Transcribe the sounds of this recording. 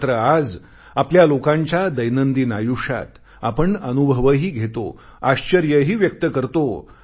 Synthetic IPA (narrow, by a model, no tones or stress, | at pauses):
t̪ɾəad͡z | apljalokãɲt͡ɕjad̪əjnənd̪iːnajuʂa̰t̪ | a̰pəɳənubʱəʋəɦiːɡʱet̪o̰ | aɕt͡ɕəɾjəɦiːʋjək̚t̪əkəɾt̪o